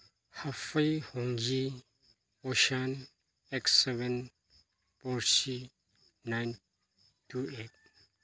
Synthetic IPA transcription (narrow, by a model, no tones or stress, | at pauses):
hafajhɔŋɡi | ɔʃan | ɛksːɛvɛ̃n | pɔɹsi | najn | tuet̚